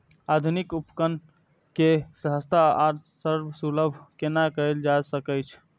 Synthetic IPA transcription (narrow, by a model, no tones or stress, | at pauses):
ad̪ʱunikupkən | kesəɦəst̪ʰaaɾsəɾbsuləbʱkenakəɾeld͡ʒasəkəjt͡ʃʰ